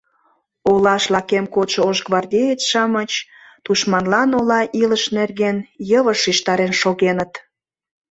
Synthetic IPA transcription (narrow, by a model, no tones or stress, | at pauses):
olɑʃlɑkemkoʃooʒɡβɑrdʲeet͡sʃɑmət͡ɕ | t̪uʃmɑnlɑnolɑʔiləʃnerɣenjəβəʃiʃt̪ɑɾenʃoɣenət̪